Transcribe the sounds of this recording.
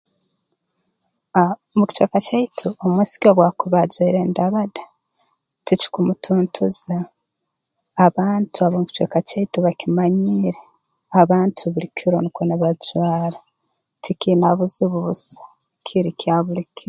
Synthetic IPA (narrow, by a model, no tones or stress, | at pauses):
amuki̥t͡ʃwekacaitʰuomwisi̥koβwakuβazwiɾendaβadḁ | tici̥kumutʰuːntʰuza | βaːntʰuaβomuki̥t͡ʃwḛkacaituβakimaɲiːɾe | aβaːntʰuβuɾikʰiɾonikonaβazwaːɾa | tʰikinaβuziβuuzḁ | kʰiɾikaβuɾikʰi